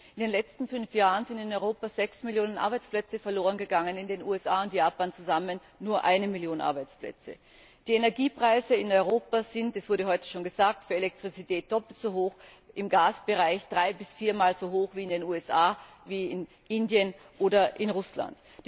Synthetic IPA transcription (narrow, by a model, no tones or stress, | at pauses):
ʔɪndeːnlɛt͡stn̩fʏnfjaːʁənzɪntɪnɔʏʁoːpazɛksmɪljoːnənʔa̰ɐbaɪt͡splɛt͡səfɛɐloːʁənɡəɡaŋənɪndeːnuːɛsʔaːʊntjaːpaːnt͡suzamənːuːɐʔa̰ɪnəmɪljoːnʔa̰ɐbaɪt͡splɛ̰t͡sə̰ | d̥iːenɛɐɡiːpʁ̥aɪzəɪnɔʏʁoːpaz̥ɪntɛsv̥ʊɐɾəɦɔʏtə̥ʃoːnɡəzaːk̚tfyːɐelɛk̚tʁ̥it͡sitʰɛːt̚d̥ɔpl̩tz̥oɦoːx | ʔɪmɡaːsb̥əʁaɪçd̥ʁaɪbɪsfiːɐmaːlzoːɦoːxv̥iːɪndeːnuːɛsʔaː | viːɪn | ʔɪndjən | ʔoːdɐʔɪnʁʊsla̰nt